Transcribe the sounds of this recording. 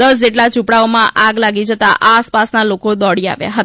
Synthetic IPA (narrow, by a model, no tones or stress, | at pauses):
əs̬d͡ʒeʈlat͡ʃũpɽaomãʔaɡlaɡid͡ʒət̪aʔaːspasnalokod̪ɔɽia̰ʋja̰ɦə